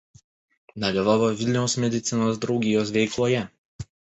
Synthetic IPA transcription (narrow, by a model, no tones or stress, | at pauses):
d̪ɐlʲɪʋaːʋoːʋʲɪlʲnʲɛʊsmʲɛd̪ʲɪt̪sʲɪnoːsd̪ɾɒʊɡʲɪjoːs̬ʋʲɛɪklˠoːjɛ